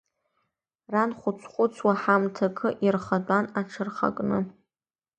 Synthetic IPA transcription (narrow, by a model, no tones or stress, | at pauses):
ranχʷʊt͡sʷʰχʷʊt͡sʷʰwaħamtʰakʰɨʔirχatʼanaʈ͡ʂʰɨrχa̰kʼnɨ